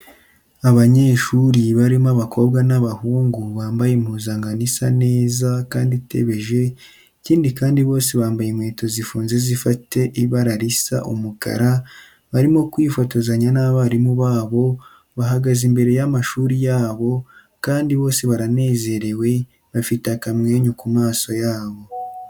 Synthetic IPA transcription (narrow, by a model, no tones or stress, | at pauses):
aβaɲe̞ːʃuːɾiβaɾimaβako̞bɡanaβahuːŋɡuβaːmbajemhuːzaŋɡanisane̞ːzakaːndite̞̰βe̞ʒe̞ | iciːndikaːndiβo̞ːseβaːmbajemweːto̞zifuːnze̞zifate̞ʔiβaɾaɾisa̰ʔṵmuka̰ɾa | βaɾimokwiːfotozaɲanaːβaɾimuβaːβo̞ | βaɦaɡazimbe̞ɾe̞jamaʃuːɾijaːβo̞ | kaːndiβo̞ːseβaɾane̞ːze̞ɾe̞we̞ | βafitakamŋe̞ːɲukumaːso̞jaːβo̞